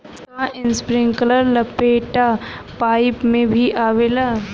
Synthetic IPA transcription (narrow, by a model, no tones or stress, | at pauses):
aʔɪ̃nspɾɪ̃ŋɡkələɾlɐpeːʈapaːɪpmẽbʱiʔaːʋeːlaː